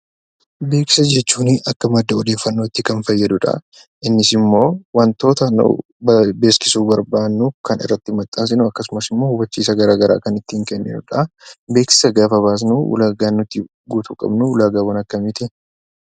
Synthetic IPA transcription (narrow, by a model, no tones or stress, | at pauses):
be̞ːkɪ̥sɐd͡ʒɛt͡ʃːuːnɪʔɐkːɐmɐd̪ːɐɔd̪e̞ːfːɐnːo̞ːt̪ːɪkɐnfɐjːɐd̪ʊᶑɐ̰ | ʔɪnːɪsɪmːo̞ːwɐnt̪o̞ːt̪ɐnṵ | bbe̞ːskɪ̥suːbɐɾbaːnːukɐnɪ̰rːɐt̪ːɪmɐt̪ʼːaːs̬ɪnʊɐkːɐsʊmɐsɪmːo̞ːhʊbɐt͡ʃːiːsɐɡɐɾaːɡɐɾa̰ːkɐnɪt̪ːiːŋkɛnːɪ̰nʊᶑɐbe̞ːksɪ̥sɐɡaːfɐβaːs̬nuʊ̰laːɡaːnːʊt̪ːɪ | ɡuːt̪uːkʼɐ̰bnʊʊlaːɡaːwɐnɐkːɐmɪt̪ɪ